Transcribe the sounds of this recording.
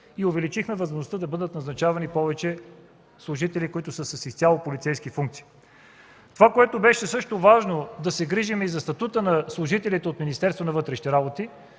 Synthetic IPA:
iovɛlit͡ʃixmɛvəzmoʒnost̪əd̪ɐbɤd̪ət̪nɐznɐt͡ʃavɐnipɔvɛt͡ʃɛ | slˠʊʒit̪ɛlikoit̪ʊsəsɐsist̪ʲalˠopolit̪sɛjskifuŋk̚t̪si̥i | t̪ovakoɛt̪obɛʃɛsɤʃt̪ovaʒnod̪ɐsɛɡɾiʒimɛizɐst̪ɐt̪ut̪ənɐslˠʊʒit̪ɛlit̪ɛot̪minist̪ɛɾst̪vonɐvɤt̪ɾɛʃi̥t̪ɛɾabot̪i

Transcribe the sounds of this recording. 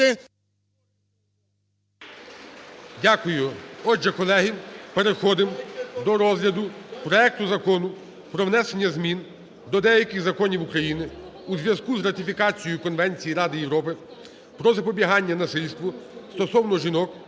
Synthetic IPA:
ɪ | dʲakʊjʊɔd͡ʒʒɛkɔlˠɛɦipeɾexɔd̪ɪmd̪ɔɾɔzɦlʲɐd̪ʊpɾɔɛk̚t̪ʊzɐkɔnʊ | pɾɔwnɛsenʲːɐzmʲin | d̪ɔd̪ɛjɐkʲɪxzɐkɔnʲiwukɾɐjinɪ | uzʲʋʲjɐzkuzrɐt̪ɪfʲikɑt͡sʲijʊkɔnʋɛnʲt͡sʲijiɾɑd̪ɪjewɾɔpɪ | pɾɔzɐpɔbʲiɦɑnʲːɐnɐsɪlʲst̪ʋʊst̪ɔsɔwnɔʒinɔk

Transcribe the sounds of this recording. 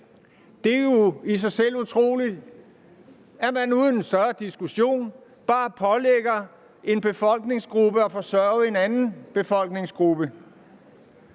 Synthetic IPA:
d̥e̝jo̝is̬ɑ̈ɪsel̰ut͡sʰʁo̝̰ːli̥ | æɐmænuːðˠn̩ensd̥ɶɐd̥isɡ̥uɕo̝̰ːn | b̥ɑ̈ːpʰɒ̽leɡ̥ɐ | e̝nb̥e̝fɒ̽l̰ɡ̥ne̝ŋsɡ̥ʁub̥əɒ̽fɒ̽sɶɐe̝nænn̩b̥e̝fɒ̽l̰ɡ̥ne̝ŋsɡ̥ʁub̥ə

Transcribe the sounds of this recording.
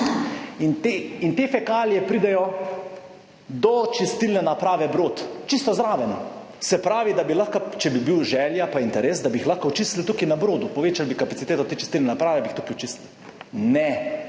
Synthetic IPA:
int̪eint̪eːfɛkaːljɛpɾiːd̪ɛjɔ | d̪ɔt͡ʃist̪ilnɛnapɾaːʋɛbɾoːt̪t͡ʃist̪ɔzɾaːʋɛnɔ | sɛpɾaːʋid̪abilaxkat͡ʃɛbibiwʒɛːljapaint̪ɛɾeːsd̪abixlaxkaʊt͡ʃisilt̪ukinabɾoːd̪upɔʋeːt͡ʃalbikapat̪sit̪eːt̪ɔt̪eːt͡ʃist̪ilnɛnapɾaːʋɛbiːxt̪ukiʊt͡ʃisil | nɛ

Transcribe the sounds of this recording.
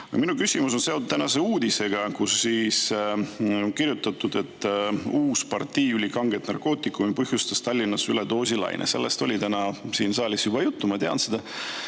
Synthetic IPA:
minukysʲimuso̞nse̞ot̪ut̪t̪ænɑse̞uːd̪ise̞ɡ̥ɑkusːiːs | oŋkirjut̪ːˑɑt̪ːˑud̪e̞t̪ːˑuːspɑrt̪ːiːylʲikɑŋɡet̪nɑrko̞ːt̪ˑikːˑumipɤhjust̪ɑst̪ɑlʲːinːɑsylet̪o̞ːsʲilɑ̰jnʔḛse̞̰lːest̪o̞lʲit̪ænɑsiːnsɑːlʲisjubɑjut̪ːumɑt̪eɑ̰nsed̪̥ɑ

